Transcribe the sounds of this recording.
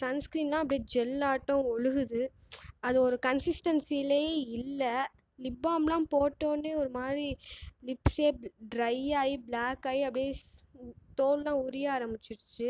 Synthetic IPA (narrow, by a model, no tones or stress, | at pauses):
sɐnskɾiːnlãːɐp̬ːɐɽijed͡ʒɛlːaːʈːɔ̃ɔɻɯɣɯðɯ | ɐðɯɔɾɯkɐnsɪsʈɐnsilɐjeːɪlːɐ | lɪbːaːmlãːpoːʈːõːneːɔɾɯmaːd̪ɾilɪpseːɖɾɐɪaːjibɭaːkːaːjiɐpːɽɪje | t̪oːllãːʊɾɪjaaːɾɐmbɪt͡ʃːɪɾɯt͡ʃːɯ